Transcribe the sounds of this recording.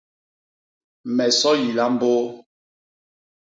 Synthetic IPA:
mɛ˨sɔ˦ji˨la˦m̩˦bo˦

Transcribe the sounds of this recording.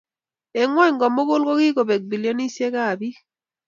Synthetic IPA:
e˨ŋwɔ˦ŋɡɔ˨mo˦ko˦lko˦ki˦ko˨bɛ˨k̚bi˨ljo˦ni˦sje˦ka˦˨bi˦

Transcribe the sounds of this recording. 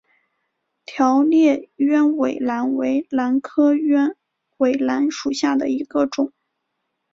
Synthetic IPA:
t̪ʰjɑ˧˥ʊljɛ˥˩ɥɛ˥nwe˨˩ɪla˧˥nwe˧˥ɪla˧˥nkʰɤ˥ɛ˥n | we˨˩ɪla˧˥nʂu˨˩ɕja˥˩d̪ə˩i˧˥ɡ̥ə˧ʈ͡ʂʊ˨˩˦

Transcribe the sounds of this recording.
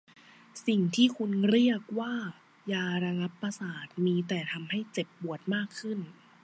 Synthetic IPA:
si˨˩ŋt̪ʰiː˥˩kʰu˧nɾi˥˩ək̚waː˥˩ | jaː˧ɾa˧ŋa˦˥pːɾa˧saː˨˩t̪̚miː˧t̪ɛː˨˩t̪ʰa˧mha˥˩jt͡ɕe˨˩p̚bu˨˩ət̪̚maː˥˩kʰːɯ˥˩n

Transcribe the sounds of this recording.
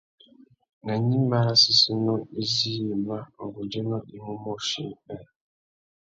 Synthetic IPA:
na˨ɲĩ˦m˦ba˨˦ɾa˦si˦si˦nɔ˦i˦zi˦˨ma˦o˨ɡʊ˨d͡ʒe˦nɔ˦ʔi˦mu˦mo˦ʃi˨˦k͡pɛ˦˨

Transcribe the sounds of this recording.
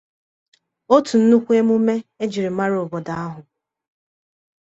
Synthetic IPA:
o˦tʰu˨n̩˦nu˦kʷe˦mu˦me˦e˦d͡ʒi˨ɾi˨ma˦ɾo˨bɔ˨da˦a˦ɦʊ˨

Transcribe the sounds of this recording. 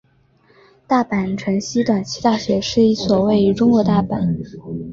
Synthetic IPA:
t̪a˥˩pa˨˩nʈ͡ʂʰə˧˥nɕi˥t̪wa˨˩nt͡ɕʰi˧˥t̪a˥˩ɕɥɛ˧˥ʂɻ̩˥˩i˧˩swɔ˨˩we˥˩ɪy˧˥ʈ͡ʂʊ˥ŋkwɔ˧˥t̪a˥˩pa˨˩˦

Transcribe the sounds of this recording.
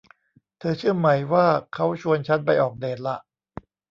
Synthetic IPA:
t̪ʰɤː˧t͡ɕʰɯ˥˩ɐma˦jwaː˥˩kʰa˦˥wt͡ɕʰu˧ənt͡ɕʰa˦˥npa˧jʔɔː˨˩k̚deː˧˩nla˧˦ʔ

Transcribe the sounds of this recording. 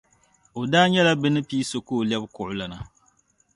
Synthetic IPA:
o˨daː˦ɲɛ˦la˦bɨ˦nɨ˦piː˦so˨ko˦˨ljɛ˦bkʊ˨ʔʊ˦la˨na˨

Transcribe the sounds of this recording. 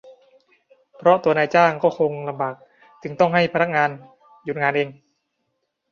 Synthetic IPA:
pʰɾɔ˦˥t̪u˧ɐnaː˧jt͡ɕaː˥˩ŋkɔː˥˩kʰo˧ŋla˧mbaː˨˩k̚ | t͡ɕɯ˧ŋt̪ɔ˥˩ŋɦa˥˩jpʰa˧na˦˥k̚ŋaː˧n | ju˨˩n̚ŋaː˧nʔeː˧ŋ

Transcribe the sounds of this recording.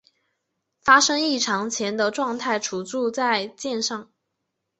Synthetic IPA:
fa˥ʂɤ˥ŋi˥˩ʈ͡ʂʰɑ˧˥ŋt͡ɕʰjɛ˧˥nd̪ə˧ʈ͡ʂwɑ˥˧ŋt̪ʰa˥˩ɪʈ͡ʂʰu˨˧˩t͡su˥˧t͡sa˥˧ɪt͡ɕjɛ˥˧nʂɑ˥˩ŋ

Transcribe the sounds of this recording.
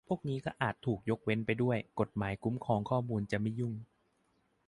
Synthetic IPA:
pʰu˥˩ək̚niː˦˥kɔː˥˩ʔaː˨˩t̪ʰːuː˨˩k̚jo˦˥k̚we˦˥npa˧jdu˥˩əjko˨˩t̪̚maː˩˦jku˦˥mkʰɔː˧ŋkʰɔː˥˩muː˧nt͡ɕa˨˩ma˥˩jːu˥˩ŋ

